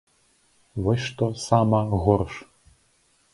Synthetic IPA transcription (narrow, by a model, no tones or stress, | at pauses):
ʋɔsʲʂt̪ɔsamɐɣɔrʂ